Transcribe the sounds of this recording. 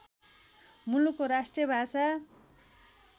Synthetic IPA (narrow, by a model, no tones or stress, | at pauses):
mulukːoɾasʈrijʌbʱasa